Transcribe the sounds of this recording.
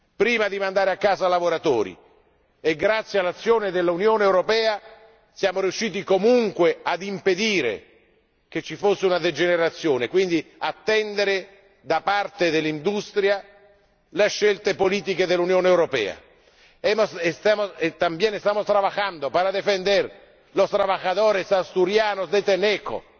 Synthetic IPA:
pɾiːmad̪imand̪aːɾeakːaːzalavoɾat̪o̰ːɾḭ | eɡɾat̪sːjealːat̪sːjoːned̪elːaunjoːneːwɾopɛːa | sjaːmoɾijuʃːiːt̪ikomuŋkwead̪imped̪iːɾḛ | k̟et͡ʃːifosːeunad̪ed͡ʒeneɾat̪sːjoːnekwind̪iat̪ːɛnd̪eɾe | d̪apart̪ed̪elːind̪ust̪ɾja | leʃːelt̪epoliːt̪̬iked̪elːunjoːneːwɾopɛ̰ːa̰ | ɛmosest̪aːmoet̪ːambjɛːnest̪aːmost̪ɾavaxand̪opaɾad̪ːefend̪er | lost̪ɾavaxat̪oːɾesast̪uɾjaːnosd̪et̪ːenɛkːo̰

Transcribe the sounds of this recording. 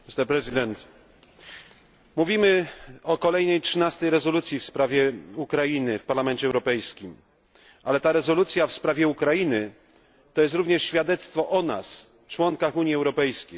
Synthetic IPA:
mʲist̪ɛɾpɾɛzɨd̪ɛnt̪ | muvʲimɘɔkɔlɛjnɛjtʂɘnast̪ɛjɾɛzɔlut̪sʲjifspɾavʲjɛukɾajinɘfpaɾlamɛnt͡ɕɛwɾɔpɛjskʲim | ʔa̰lɛt̪aɾɛzɔlut̪sʲjafspɾavʲjɛukɾajinɘ | t̪ɔjɛs̬t̪ɾuvɲɛʂɕfʲjad̪ɛt̪st̪fɔʔɔna̰s | t͡ʂwɔŋkaxuɲiɛwɾɔpɛjskʲej

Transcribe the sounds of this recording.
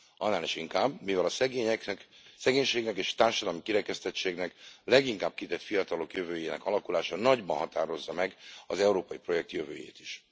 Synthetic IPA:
ʔɒnːaːliʃiŋkaːbmivɛlɒsɛɡeɛkɛk | sɛɡeːɲʃeːɡnɛkeːʃt̪aːrʃɒd̪ɒlɒmikiɾɛkɛst̪ɛt͡ʃːeːɡnɛklɛɡiŋkaːb̚kit̪ɛt̪fijɒt̪ɒlo̞kjøvøːjeːnɛ̰kɒlɒkulaːʃɒnɒɟbɒnɦɒt̪aːɾo̞zːɒmɛɡɒzɛuɾoːpɒjipro̞jɛk̚t̪jøvøːjḛːt̪iʃ

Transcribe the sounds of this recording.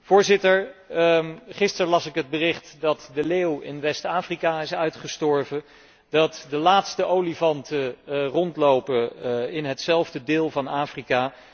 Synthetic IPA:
v̥ʊːɹzɪtəɹ | χɪstəɹlɑsɪkɦəd̚bərɪχtdɑtdəleːwɪ̰nʋɛstaːfrikaɪsœɥtχəstɔɹvə | dɑtdəlaːtstəʔowlivɑntərɔntlowpəɪnɦətsɛlˠvdədɪːlˠvɑnaːfrikaː

